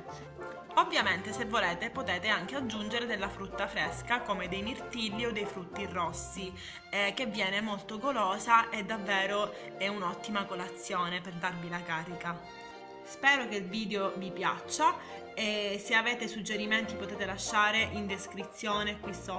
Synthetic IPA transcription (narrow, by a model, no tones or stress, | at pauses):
ovːjament̪esevːoleːt̪epot̪eːt̪eaŋk̟ead͡ʒːund͡ʒeɾed̪elːafɾut̪ːafɾeskakomed̪ejmirt̪ilːiod̪ːejfɾut̪ːirɔsːi | ɛk̟evːjɛːnemolt̪oɡoloːzaʔed̪avːɛːɾo | ɛunɔt̪ːimakolat̪sːjoːneperd̪arvilakaːɾika | spɛːɾokeilviːd̪eovipja̰t͡ʃːa | eseaveːt̪esud͡ʒːeɾiment̪ipot̪ɛːt̪elaʃːaːɾeʔind̪eskɾit̪sːjoːnekwiso